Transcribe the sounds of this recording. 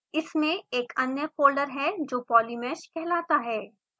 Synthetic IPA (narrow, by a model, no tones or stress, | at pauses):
ɪsmẽeːkɐnjəpoːɾɖəɾɦɛd͡ʒoːpɔːlimɛːʃkɛɦlaːt̪aɦɛː